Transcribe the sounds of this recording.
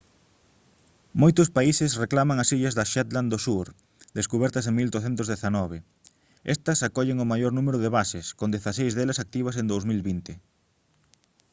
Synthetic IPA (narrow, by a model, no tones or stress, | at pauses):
mojt̪ʊspaisɪsreklamɐŋɐsiʎɐzðɐʃɛt̪land̪osuɾ | d̪eskuβɛɾt̪ɐseŋmild̪oθent̪ʊzðeθanɔβ̞e | ɛst̪ɐsakɔʎeŋʊmajoɾnumeɾʊðeβasɪskond̪eθasejzðelɐsak̚t̪iβɐsẽnd̪owsmilβint̪ɪ